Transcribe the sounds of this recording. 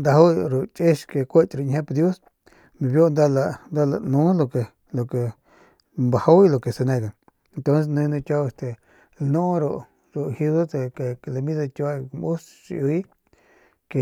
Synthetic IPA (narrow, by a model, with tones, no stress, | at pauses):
nd̪a˧ɦa˦ɾo˨t͡ʃʼe˦ʃke˨kʷe˦t͡ʃ̪ɾo˧ɲhẽ˦pd̪jo˦s | mĩ˨˧βjo˦˧nd̪a˦la˧nd̪a˦la̰˧nũ˨˦lo˧ke˨ | lo˨ke˨ | mba˨ha˦i˦lo˨ke˨se˧nẽ˧ka˨ | e˨nt̪o˦ns̬e˧nũ˧nũ˧kʲa˦˧e˧st̪e˨ | lnõ˦ɾo˧ | ɾo˨hi˧ðo˦t̪e˧ke˨˧le˧mĩ˦ða˧t̪ʲa˦˧mu˦st͡ʃḭ˧u˧i˦ | ke˨